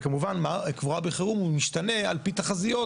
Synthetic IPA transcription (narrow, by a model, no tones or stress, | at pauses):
kamuvanmakvuʁabeχeʁumumiʃt̪ane̞alpit̪aχazijo̞